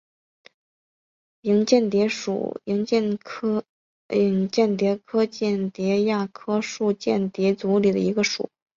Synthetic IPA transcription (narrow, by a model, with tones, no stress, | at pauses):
i˧˥ŋt͡ɕjɛ˥˩nt̪jɛ˧˥ʂṵ˨˩i˧˥ŋt͡ɕɛ˥˧˥ | i˧˩ŋt͡ɕjɛ˥˩nt̪jɛ˧˥kʰɤ˥t͡ɕɛ˥˩nt̪jɛ˧˥ja˥˩kʰɤ˥ʂu˥˧t͡ɕjɛ˥˩nt̪jɛ˧˥t͡su˧˥li˨˩d̪ə̰˦i˧˥ɡə˧ʂṵ˨˩˦